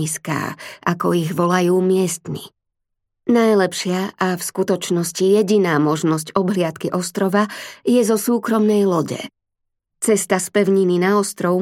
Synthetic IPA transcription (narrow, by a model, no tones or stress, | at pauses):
iska̰ːʔakɔiɣʋɔlajuːmɪɛst̪mḭ | najlɛpʃɪaafskut̪ɔt͡ʃnɔscijɛɟinaːmɔʒnɔs̬cɔbɦlɪat̪kiʔɔst̪ɾɔʋajɛzɔsuːkɾɔmnɛjlɔɟɛ̰ | t͡sɛst̪aspɛʊɲininaɔst̪ɾɔʊ